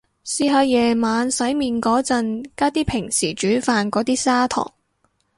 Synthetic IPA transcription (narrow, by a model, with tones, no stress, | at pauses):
siː˧ɦɐ˧wjɛː˨˩maː˨˧nsɐ˨˥jmiː˨˧nkɔː˨˥t͡sɐ˧nkaː˥t̪iː˥pʰɪ˨˩ŋsiː˨˩t͡ʃyː˨˥faː˧nkɔː˨˥t̪iː˥saː˥t̪ʰɔ̰ː˨˩ŋ